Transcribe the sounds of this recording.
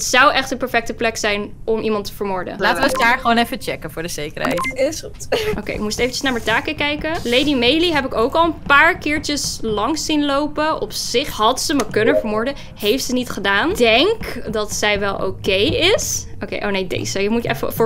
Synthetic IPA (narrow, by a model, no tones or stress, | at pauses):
ətsɑwʔɛχtənpɛɹfɛk̚təplɛksɛjnɔmʔimɑntə̥vəɹmʊːɹdə̰laːtəzdaːɹχəʋoːnɛfət͡ʃɛkənvʊːɹdəzejkəɹɦɛ̰jtɪsutʔo̰wkḛjɪkmustejfənt͡ʃəsnaːɹmətaːkəkɛjkəlejdimejliɦɛp̬ɪkowkɑlˠənpaːɹkɪːɹt͡ʃəslɑŋsinlowpəɔpsɪχɦɑtsəməkɵnəvəɹmʊːɹdə | hejftsənitχədaːndɛŋkdɑtsɛjʋɛlˠʔo̰wkejɪsokḛjʔo̰wnejdḛjsəjəmutɛfə̰fʊː